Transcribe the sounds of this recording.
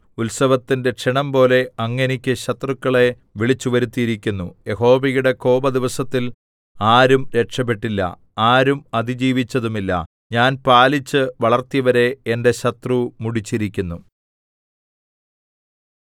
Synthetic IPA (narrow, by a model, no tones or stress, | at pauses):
ulsɐʋɐt̪ːinde̞ʈʂiɳɐmpo̞ːle̞ɐŋːɐnikʲːɨɕɐt̪rukːɐɭe̞ | ʋiɭit͡ɕːuʋɐɾut̪ːijiɾikʲːunːuje̞ho̞ːʋiɣuɽe̞ko̞ːbɐd̪iʋɐsɐt̪ːil | aːɾumɾe̞ʈʂɐp̬ːeʈːilːɐ̰ | aːɾumɐd̪id͡ʑiːʋit͡ɕːɐðumilːɐ̰ | ɲaːnpaːlit͡ɕːɨʋɐɭɐrt̪ijɐʋɐɾe̞ende̞ɕɐt̪rumuɽit͡ɕːiɾikʲːunːu